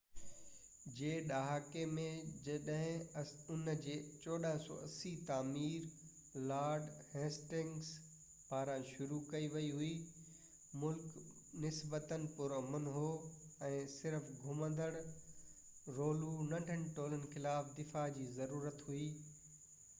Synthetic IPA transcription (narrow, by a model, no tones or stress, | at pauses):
d͡ʑeːɗaːɦaːkemẽɐɗɦɪ̃ʊnd͡ʑeːt͡ɕɔːɗəɦɪ̃sɔ̰ːʔɐsit̪aːmiːɾ | laːɾɖheːsʈɪ̃ŋɡs | paːɾãʃʊɾukɐiʋɐiɦui | mʊlk | nɪsbət̪ənɪ̆pʊɾɐmənɦo | ɛ̃ːsɪɾfɡʱʊmə̃nd̪əɽ̃ | ɾoːlunɐ̃ɳɖʱənɪʈoːlənɪ̆xɪlaːfd̪ɪfad͡ʑiːzɐɾuːɾət̪ɦuiː